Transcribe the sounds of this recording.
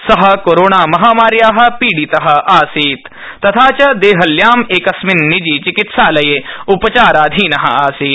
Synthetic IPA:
sɐɦɐ̆koːɾoːɳaːmɐɦaːmaːɾjaːɦɐ̆piːɽit̪ɐɦɐ̆ʔaːsiːt̪ː | ɐt̪ʰaːt͡ʃɐd̪eːɦɐljaːmeːkɐsminːid͡ʒiːt͡ʃikit̪saːlɐjeupɐt͡ʃaːɾaːd̪ʱiːnɐɦɐ̰aːsiːt̪

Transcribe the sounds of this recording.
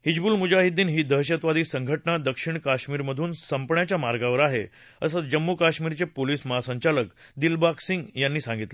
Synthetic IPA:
hid͡ʑbuːlmud͡ʑaɦid̪ːiːnɦiːd̪ʱəɦɕət̪ʋad̪iːsəŋɡʱəʈɳad̪əkʂiɳkaɕmiːɾməd̪ʱuːnsəmpɳjat͡ɕjamaɾɡaʋəɾaɦe | əsət͡sd͡ʑəmːukaɕmiːɾt͡sepoliːsməɦasəɲt͡ɕaləkd̪ilbaksiŋɡjanːiːsãŋɡit̪la

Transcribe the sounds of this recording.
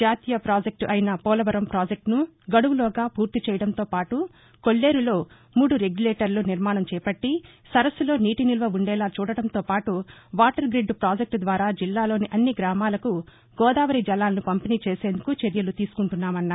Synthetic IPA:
d͡ʒaːt̪ijɐpɾaːd͡ʒek̚ʈɐjnɐpɔːlɐʋɐɾɐmpɾaːd͡ʒek̚ʈnuɡɐɽuʋulɔːɡaːpuːɾt̪it͡ʃɛːjɐɽɐnt̪o̞ːpaːʈu | ko̞ɭːe̞ːɾulo̞ː | muːɽuɾeɡjuleːʈɐɾluniɾmaːɳɐmt͡ʃɛːpɐʈːi | sɐɾɐslo̞ːniːʈinilʋɐuɳɖɛːlaːt͡ʃuːɽɐɽɐnt̪o̞ːpaːʈuʋaːʈɐɾɡɾiɖːpɾaːd͡ʒek̚ʈd̪ʋaːɾaːd͡ʒilːaːlo̞ːniʔɐnːiɡɾaːmaːlɐku | ɡ̥ɔːd̪aːʋɐɾid͡ʒɐlaːlɐnupɐmpiniːt͡ʃe̞ːse̞ːnd̪ukut͡ʃeɾjɐlut̪iːsu̥kuɳʈunːaːmɐnːaː

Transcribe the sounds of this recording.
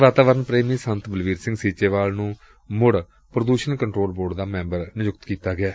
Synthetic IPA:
ʋaːt̪aːʋəɾənpɾeːmiːsənt̪bəlʋiːɾsɪ̃ŋɡsiːt͡ʃeːʋaːlnũː | mʊɽ | pɾəd̪uːʃənkəɳʈɾoːlboːɾɖd̪aːmɛ̃ːmbəɾnɪjʊkt̪kiːt̪aːɡɪaː

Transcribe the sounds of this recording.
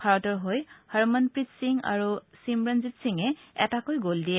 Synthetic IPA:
aɹɔtɔɹɦojhaɹmɔnpɹitsiŋa̰ɹusimɹanzitsiŋɛɛ̰takojɡoldiɛ

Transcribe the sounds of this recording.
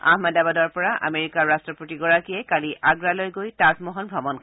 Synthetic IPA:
a̰hmadabadɔɹpɔɹaʔa̰meɹikaɹɹastɹɔpotiɡɔɹakiɛkaliʔaɡɹalojɡojtazmɔɦɔnbʱɔbɔnkʰ

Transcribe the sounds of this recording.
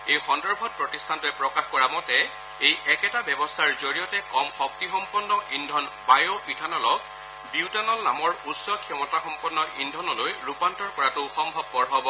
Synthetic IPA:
ejxɔndɔɹbʱɔt̚pɹɔtistʰantʊɛpɹɔkaxkɔɹamɔtɛ | ejʔɛkɛtabjɛbɔstʰaɹzoɹijɔtɛkɔmxɔk̚tixɔmpɔnːɔʔindʱɔn | bajopitʰanɔlɔk | biwtanɔlnamɔɹutsɔkʰijɔmɔtaxɔmpɔnːɔʔindʱɔnɔlojɹupantɔɹkɔɹatʊxɔŋbʱɔb̚pɔɹɦɔbɔ

